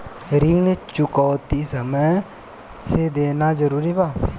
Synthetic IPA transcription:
ɾiːnt͡ʃʊkɔːt̪iːsəməj | seːd̪eːnaːd͡ʒəɾuːɾiːbaː

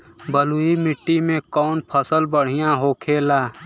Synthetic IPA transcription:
bəluimɪʈːimẽkɔːnpʰəsəlbəɽ̤ɪjãɦoːkʰeːlaː

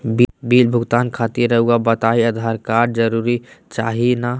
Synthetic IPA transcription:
bbiːlbʱʊɡt̪aːnkʰat̪iɾːəɦuɡabət̪aiəd̪ʱaɾkaɾd͡ʒəɾuɾit͡ʃaɦina

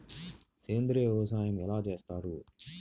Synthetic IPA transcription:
seːnd̪ɾiʋɛʋɐsaːjɐmɛlaːt͡ʃe̞ːst̪aːɾu

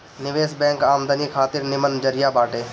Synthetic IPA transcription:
nɪʋeːsbɛ̃ːŋkaːmd̪ənikʰaːt̪ɪɾnɪmənd͡ʒəɾɪjabaːʈeː

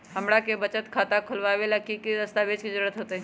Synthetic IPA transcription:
ɦəmɽakebət͡ʃət̪kʰat̪akʰʊlʋaʋelakikiɾəst̪abed͡ʒkid͡ʒəɾuɾət̪ɦoːt̪ə

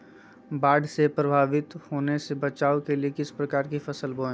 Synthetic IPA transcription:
baːɖʱsepɾɐbʱaːʋɪt̪hoːnesebɐt͡ʃaːokeliekɪspɾɐkaːɾkifɐsəlboː

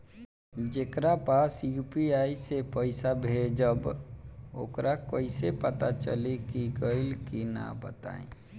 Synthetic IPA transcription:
d͡ʒekɾapaːsjuːpiaːisepəɪsabʱed͡ʒəb | o̰ːkɾʔakəɪsepət̪at͡ʃə̰likiɡəɪlkina̰bə̰t̪a̰ːḭ̃

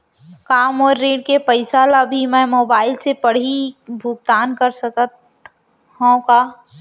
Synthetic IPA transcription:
kaːmɔːɾːeːɖkepəɪsaːlabʱimɛ̃moːbaːɪlsepɐɽ̤ibʱʊɡ̚t̪aːnkəɾsəkət̪ | hõkaː

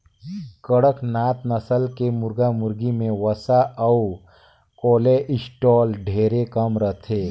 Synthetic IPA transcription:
kəɽəknaːt̪nəsəlkemʊɾɡamʊɾɡimẽʋəsaɐu | koːleʔɪsʈɔːlɖʱeːɾekəmɾət̪ʰeː

